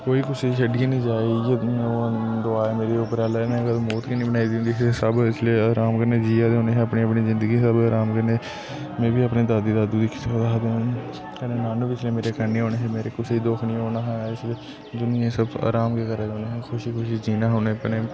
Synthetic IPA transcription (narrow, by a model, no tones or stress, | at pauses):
koːiːkʊseʃəɖɪẽːnĩːd͡ʒaːiːjẽod̪ʊaːemeːɾeʊpəɾaːleːnɛ̃ːɡət̪ːmoːt̪kiːnĩːbənaːid̪iːũnd̪iɪssəbɪsʰleːaːɾaːmkəɾneːd͡ʒiːaːd̪eɦoːneːɦɛ̃əpneːəpniːzɪ̃nd̪əɡiːsəbaːɾaːmkəɾne | mẽːbiːəpneːd̪aːd̪iːd̪aːd̪uːd̪iːkʰɪ̥sd̪aːd̪ẽ | kəneːnaːnũpɪt͡ʃʰleːmeːɾekəneːɦoːneːɦɛːmeːɾekʊseid̪oːkʰnĩːɦoːnaɦɛːɪsleː | d̪ʊniẽsəba̰ːɾaːmkeːkəɾeɦoːneːɦɛːxʰʊʃikʊʃid͡ʒiːnaːɦoːneːpəneː